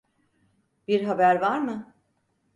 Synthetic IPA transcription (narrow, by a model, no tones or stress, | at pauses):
b̥iɾɦabæɾvaɾmɯ